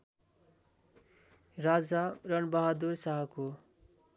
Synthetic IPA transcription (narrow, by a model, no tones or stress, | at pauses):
rad͡zarʌnbʌɦad̪ursʌɦʌko